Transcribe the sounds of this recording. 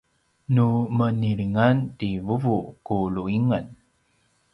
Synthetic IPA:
numəniɭiŋantivuvukuluiŋən

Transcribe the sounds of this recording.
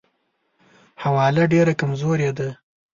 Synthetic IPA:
hawɑlaɖeɾakamzoɾjed̪a

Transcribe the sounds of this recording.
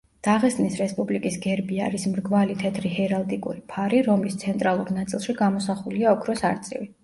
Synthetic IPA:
d̪̥aʁɛsʼnisɾɛspʼublikʼisɡɛɾbiaɾismɾɡvalit̪ʰɛt̪ʰɾihɛɾalˠt̪ʼikʼṵɾipʰaɾiɾɔmlist̪sʰɛnt̪ʼɾalˠuɾnat̪sʼilˠʃiɡamɔsaχuliaɔkʰɾɔsaɾt̪sʼḭvi

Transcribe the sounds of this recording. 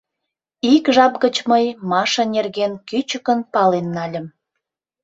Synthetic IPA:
ikʒɑp̚ɣət͡ɕməjmɑʃə̆nerɣenkyt͡ɕəkənpɑlenːɑlʲəm

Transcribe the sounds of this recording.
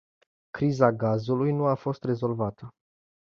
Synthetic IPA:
kɾizaɡazulujnuafo̞st̪re̞zo̞lvat̪ə

